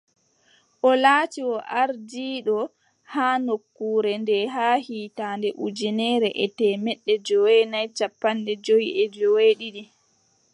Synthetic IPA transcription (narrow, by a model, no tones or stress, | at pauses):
ʔɔlaːtiwɔʔaɾdiːɗɔ | haːnokːuːɾɛndɛɦaːhiːtaːndɛʔud͡ʒinɛɾɛʔɛtɛːmɛɗːɛd͡ʒɔwenajt͡ʃapːandɛd͡ʒowiʔɛd͡ʒɔweɗiɗi